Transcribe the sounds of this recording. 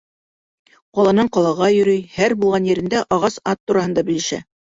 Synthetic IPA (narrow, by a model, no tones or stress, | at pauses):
qɑlˠɑnɤɴqɑlˠɑʁɑjɵ̆ɾɵjhæɾbulˠʁɑnjɘ̆ɾɘ̆nd̪æʔɑʁɑsɑt̪ːuɾɑhɤ̆nd̪ɑbɘ̆lɘ̆ʃæ̰